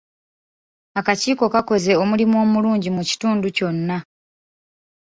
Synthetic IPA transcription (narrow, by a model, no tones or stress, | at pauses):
akaciːko̞kako̞ze̞o̞mulimo̞ːmuluːɲɟimuci̥tuːnduco̞nːa